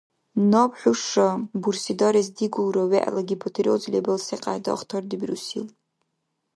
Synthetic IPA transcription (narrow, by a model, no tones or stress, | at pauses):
nopʰħʷᶣʊʂabursidaɾizdiɡʷulraɥeʔa̰laɡʲibʰotʰeɾod͡zlʲebalseqʼa̰da̰χtʰordibrusḭl